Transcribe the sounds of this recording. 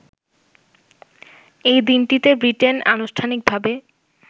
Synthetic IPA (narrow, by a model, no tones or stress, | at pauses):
ejd̪inʈit̪ebɾiʈena̰nuʃʈʰanik̚bʱabe